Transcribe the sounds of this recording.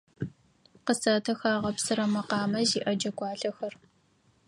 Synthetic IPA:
qəsɐtʰɐxaːʁɐpsɨɾɐmɐqɑːmɐziːʔɐd͡ʒɐɡʷɑːɬɐxɐr

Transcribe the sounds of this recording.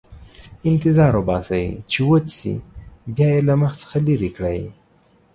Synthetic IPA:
ɪnt̪ɪzɑɾobɑsawḭt͡ʃewot͡sḭbjɑjelaməxt͡sə̥xaliɾikɽaji

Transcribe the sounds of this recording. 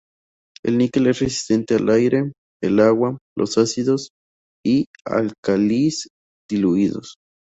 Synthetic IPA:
ḛlnikelesresi̥st̪ent̪ealʔajɾe | elawalʔo̰sasiðos | ia̰lkalis | d̪̥iluiðo̰s

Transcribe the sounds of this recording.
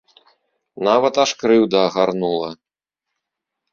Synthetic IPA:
navɐt̪aʂkɾɨwd̪ɐːɣarnulˠɐ

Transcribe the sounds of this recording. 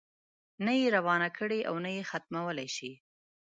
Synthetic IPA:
najeɾawɑnakʰəɽeʔa̰wnajexat̪̚mawəlajʃi

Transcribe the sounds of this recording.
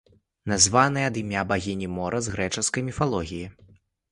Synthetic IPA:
nazvanɨjɛɐd̪ɨmʲabaɣʲinʲimɔɾʔɐzɣɾɛt͡ʂɐskɐjmʲifalˠɔɣʲiji

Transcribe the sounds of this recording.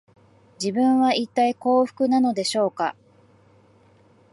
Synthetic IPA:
d͡ʑibɯ̟̃ɰ̃βait̪ːaiko̞ːɸɯ̟̥kɯ̟nano̞d̪e̞ɕo̞ːka̰

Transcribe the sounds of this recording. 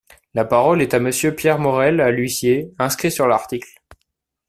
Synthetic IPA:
lapaʁɔlɛt̪aməsjøpjɛʁmɔʁɛlalɥisjeɛ̃skχisyʁlaʁt̪ikl

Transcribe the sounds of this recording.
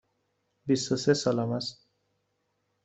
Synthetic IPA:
bisosesʌlamas

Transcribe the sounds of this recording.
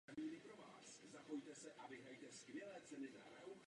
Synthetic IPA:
amiːnɪpɾo̞va̰ːszapo̞jt̪ɛsɛʔavɪɦɾajt̪ɛskvjɛlɛːt͡sɛnɪd̪a̰ɾɛw

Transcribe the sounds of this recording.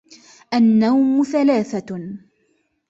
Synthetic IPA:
ʔanːawmʊθalaːθa

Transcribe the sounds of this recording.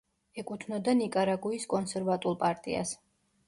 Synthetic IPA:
ɛkʼut̪ʰnɔd̪anikʼaɾaɡuiskʼɔnsɛɾvat̪ʼulˠpʼaɾt̪ʼḭa̰s

